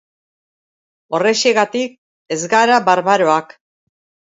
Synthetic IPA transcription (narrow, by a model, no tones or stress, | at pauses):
o̞re̞ʃeɣat̪ik̚ | e̞zɣaɾaβaɾβaɾo̞ak